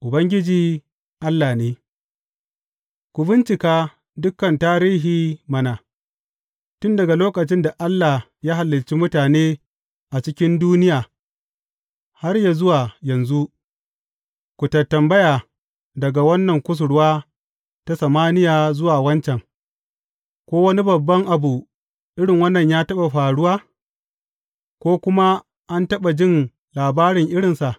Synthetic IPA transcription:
ʔʊ˨bɐ˦ŋɡʲɪ˦d͡ʒiː˦ | ʔa˦lːa˨neː˦ | kʷʊ˨bɪ˦nt͡ʃɪ˨kaː˦ | dʊ˦kːɐ˨ntaː˦ɾiː˦ɦiː˨mɐ˦na˨ | tʊ˦ndɐ˨ɡa˨loː˦kɐ˨t͡ʃɪ˦nda˨ʔa˦lːa˨ | jaː˦ɦa˨lːɪ˨lt͡ʃi˦mʊ˦taː˨neː˦ | ʔa˨t͡ʃɪ˦kʲɪ˦nduː˦nɪ˦jaː˨ | ha˦rja˨zʊ˦waː˨jɐ˨nzu˦ʔ | kʷu˨tɐ˨tːɐ˨mbɐ˦jaː˨ | dɐ˨ɡa˨wɐ˦nːɐ˨ŋkʷʊ˦s̬ʊ˨ɽwaː˦ | ta˦sɐ˨maː˦nɪ˦jaː˨zʊ˦waː˨wɐ˦nt͡ʃɛ˨ŋ | kʷoː˦wɐ˦ni˦bɐ˨bːɐ˦ŋʔa˨bu˨ | ʔɪ˦ɽɪ˨ŋwɐ˦nːɐ˨ɲjaː˦tɐ˦ɓa˨ɸaː˨ɽʊ˦waː˦ | kʷoː˦kʷʊ˦ma˦ | ʔa˦ntɐ˦ɓa˨d͡ʒɪ˦n | laː˨baː˦ɾɪ˨ŋʔɪ˦ɽɪ˨nsa˨ʔ

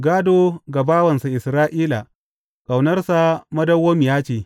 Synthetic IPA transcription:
ɡaː˦doː˦ɡa˨baː˦wɐ˨nsa˨ʔɪ˨sɾaː˦ʔiː˦la̰˨ | kʼa˨wnɐ˦rsa˨mɐ˦dɐ˦woː˦mɪ˨jaː˦t͡ʃeː˨

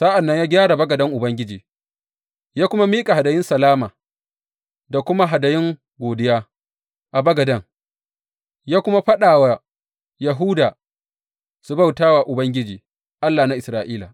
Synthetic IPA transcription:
sa˦ʔa˨nːɐ˦ɲjaː˦ɡʲaː˦ɽa˨bɐ˦ɡɐ˨dɐ˦ŋʔʊ˨bɐ˦ŋɡʲɪ˦d͡ʒiː˨ | jaː˦kʷʊ˦ma˦miː˦kʼa˨ha˨da˨jɪ˦nsɐ˨laː˦maː˨ | da˨kʷʊ˦ma˦ɦa˨da˨jɪ˦ŋ | ɡʷoː˨dɪ˦jaː˦ | ʔa˨bɐ˦ɡɐ˨dɐ˦ŋ | jaː˦kʷʊ˦ma˦ɸɐ˦ɗaː˨wa˨ | ja˨ɦu˦daː˨ | su˨ba˦˨wtaː˦waː˨ʔʊ˨bɐ˦ŋɡʲɪ˦d͡ʒiː˨ | ʔa˦lːaː˨na˦ʔɪ˨sɾaː˨ʔiː˦la˨

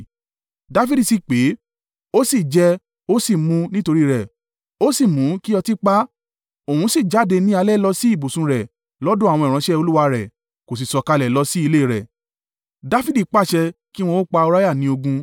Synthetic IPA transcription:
da˦fi˦di˨si˨k͡pe˨˦ | o˦si˦˨d͡ʒɛ˧ | o˦si˦˨mũ˧nĩ˦to˧ɾi˦˧ɾɛ˨ | o˦si˦˨mũ˨˦ki˦ɔ˧ti˦k͡pa˦ | o˨hũ˨˦si˦˨d͡ʒa˨˦˨de˧nĩ˦a˧lɛ˦lɔ˧si˦i˦˨bo˨sũ˧ɾɛ˨ | lɔ˦dũ˦a˨wɔ̃˧˨ɾ̃ã˨˧˦ʃɛ˦o˧lu˦wa˧ɾɛ˨ | ko˨s̬i˨sɔ˨ka˧lɛ˨lɔ˧si˦i˧le˦i˨ɾɛ̰˨ | da˦fi˦di˦˨k͡pa˦˨ʃɛ˧ki˦w̃ɔ̃˧wo˦k͡pa˧o˧ɾa˦ja˦˨nĩ˧˦o˧ɡũ˧

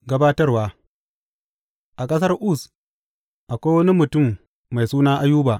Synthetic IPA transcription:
ɡɐ˦baː˦tɐ˦rwaː˨ | ʔa˨kʼɐ˦s̬ɐ˦rʔʊ˦˨s | ʔa˨kʷaː˦wɐ˦ni˦mʊ˨tʊ˦˨mː | a˨jsuː˦naː˦ʔa˦juː˦baː˨ʔ

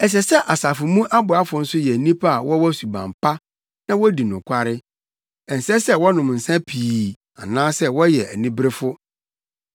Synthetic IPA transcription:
ɛ˨s̬ɛ˨sɛ˦ʔa˨sa˨fʊ˨mũ˦ʔa˦bʊ˨a˦fʊ˨n̩˦sʊ˦jɛ˨nĩ˦pʰa˦a˨wʔɔ˦wɔ˦su˨bã̰˨m˨pa˦ | nã˦wɔ˦di˨nʊ̃˨kʷʰa˦ɾɪ˦ | ɛ̃˨n̩˨sɛ˦sɛ˦wɔ˦nʊ̃˨mn̩˨sã˦pʰiː˨ | a̰˨nãː˦sɛ˦wɔ˦jɛ˨ʔæ̰˨nĩ˦bɾɪ˦fʊ˦

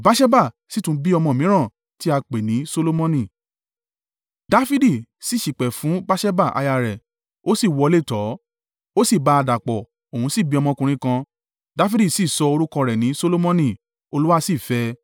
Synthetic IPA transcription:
ba˦ʃɛ˦ba˦˨ | si˦tũ˦bi˦ɔ˧mɔ̃˧˨mĩ˨˦ɾ̃ã˦˨ | ti˦a˧k͡pe˨nĩ˨˦so˧lo˦mɔ̃˧nĩ˦˨ | da˦fi˦di˦˨si˦˨ʃi˨k͡pɛ˨fũ˨˦ba˦ʃɛ˦ba˦˨ʔa̰˧ja˧ɾɛ˨ | o˦si˦˨wɔ˧le˦˨tɔ˨˦ | o˦si˦˨ba˨˧a˧da˨k͡pɔ˨ | o˨ũ˨˦si˦˨bi˧˦ɔ˧mɔ̃˧kũ˧ɾ̃ĩ˧kã˧ | da˦fi˦di˦˨si˦˨sɔ˧o˧ɾu˦kɔ̃˧ɾɛ˨nĩ˨˦so˧lo˦mɔ̃˧nĩ˨ | o˧lu˦wa˦˧si˦˨fɛ˧

